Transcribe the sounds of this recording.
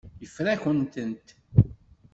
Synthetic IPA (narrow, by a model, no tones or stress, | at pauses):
jəfɾæçənt̪ənt̪